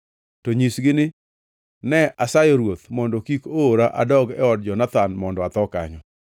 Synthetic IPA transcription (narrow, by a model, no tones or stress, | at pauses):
toɲisɡɪnɪ | nɛʔasajɔɾwot̪mɔndɔkikoɾaʔa̰dɔɡɛ̰ɔd̚d͡ʒɔnat̪anmɔndɔat̪ɔka̰ɲɔ